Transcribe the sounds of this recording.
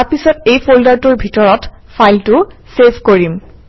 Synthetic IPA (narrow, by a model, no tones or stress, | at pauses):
pisɔtejpʰoldaɹtuɹbʱitɔɹɔt | pʰajltʊsepʰkoɹim